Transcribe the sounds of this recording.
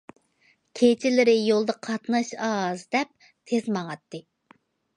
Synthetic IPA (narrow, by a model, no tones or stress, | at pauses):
kʲʰet͡ʃʰɪlɪɾɪjolˠd̪ɑqʰɑt̪nɑʃɑzd̪ɛp̚ | t̪ʰezmɑŋɑt̪ːɨ